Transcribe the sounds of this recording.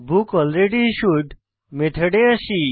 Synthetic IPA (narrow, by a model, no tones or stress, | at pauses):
bʱukɔlɾeɖiʃuʈ | meʈ̪ʰəɽeaʃi